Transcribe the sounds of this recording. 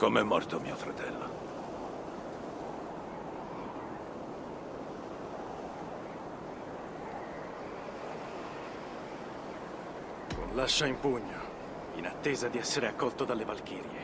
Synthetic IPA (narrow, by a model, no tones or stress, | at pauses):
komɛmːɔrt̪omḭːofɾat̪ɛlːo̰ | ko̰nlaʃːaimpuɲːo | ḭnat̪ːeːzad̪iɛsːeɾeakːɔlt̪od̪alːevalk̟eːɾje